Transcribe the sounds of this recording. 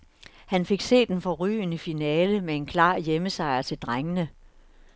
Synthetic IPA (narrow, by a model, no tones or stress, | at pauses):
hænfe̝ɡ̥se̝̰ːd̥enfɒ̽ʁy̰ːnəfinɛːləmee̝nkʰlɑ̰̈ːjeməsɑ̈ɪɐt͡sʰe̝ld̥ʁaŋənə